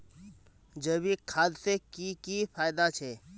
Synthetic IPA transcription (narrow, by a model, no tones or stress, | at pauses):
d͡ʒəbikʰaːd̪sekikifʰaːjd̪at͡ʃʰeː